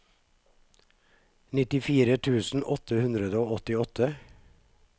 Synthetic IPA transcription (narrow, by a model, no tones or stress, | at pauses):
nɪt̪ɪfiːɾət̪ʰʉːsn̩ʔɔt̪ʰəhʉnd̪ɾəd̪əoːɔt̪ɪɔt̪ʰə